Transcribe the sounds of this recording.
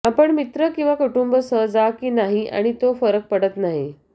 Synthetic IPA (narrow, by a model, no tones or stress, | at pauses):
apəɳmit̪ɾəkĩw̃ʋakuʈumbəsəɦd͡zakiːnaɦia̰ɽ̃it̪ofəɾək̚pəɽət̪naɦi